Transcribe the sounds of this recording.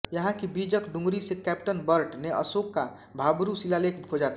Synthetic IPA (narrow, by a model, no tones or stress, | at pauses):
jɐɦãkibiːd͡ʒəkɖʊ̃ŋɡɾisekɛːp̚ʈənbəɾʈneʔə̰soːkːa | bʱaːbɾusilalekbʰod͡ʒaːt̪a